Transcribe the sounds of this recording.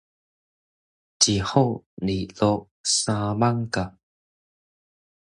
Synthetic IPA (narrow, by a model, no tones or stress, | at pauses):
t͡ɕihowniɬo | samaŋka